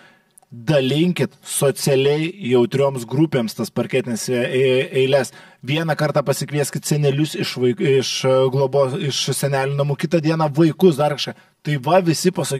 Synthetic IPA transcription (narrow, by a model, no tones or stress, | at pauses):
d̪ɐlʲɪŋʲkʲɪt̪soːsʲɛlʲɛɪjɛʊt̪ʲɾʲoːmsɡɾupʲeːmst̪ɐspɐɾʲkʲæːt̪ʲɪnʲesɛɪlʲɛsʋʲiɛnɐkɐɾt̪ɑːpɐsʲɪkʋʲiɛsʲkʲɪt̪ʲsʲɛnʲɛlʲʊsɪʃʋɐɪɪʃɡlˠoboːɪʃsʲɛnʲæːlʲɪnʲʊnɐmuːkʲɪt̪ɐd̪ʲiɛnɐʋɐɪkʊsd̪ɐɾkɐʃkɐ | t̪ɐɪʋɐʋʲɪsʲɪpɐsɐkʲ